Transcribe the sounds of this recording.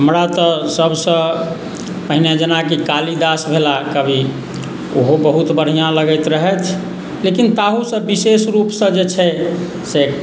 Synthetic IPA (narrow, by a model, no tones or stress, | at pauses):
ɦəmɾat̪ɔsəbsə̃ | pəɦined͡ʒənakikalid̪asbʱelakəbʱi | o̰ɦobəɦut̪bəɽ̤ijãləɡəɪt̪ɾəɦɛt̪ʰ | lekint̪aɦusə̃bisesɾupsə̃d͡ʒet͡ʃʰɛ | se